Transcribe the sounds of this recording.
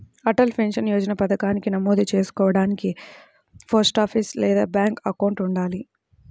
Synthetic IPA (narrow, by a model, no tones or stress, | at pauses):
ɐʈɐlpʰenʂɐnjoːd͡ʒɐnɐpɐd̪ɐkaːnikinɐmoːd̪it͡ʃe̞ːsu̥kɔːʋɐɽaːniki | pʰɐɾsʈaːpʰislɛːd̪aːbjaːŋkɐkɐwɳʈuɳɖaːli